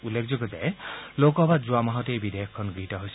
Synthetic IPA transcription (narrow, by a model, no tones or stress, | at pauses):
ulːekʰzɔɡɔtɛlokɔbazuamaɦɔtejbidejɔkʰːɔnɡiɦitɔɦojs